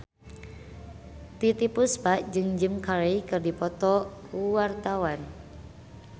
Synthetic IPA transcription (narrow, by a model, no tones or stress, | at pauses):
t̪it̪ipusbaʔd͡ʒɨŋd͡ʒɨmkaɾeikɨrdipɔt̪ɔkuwart̪awan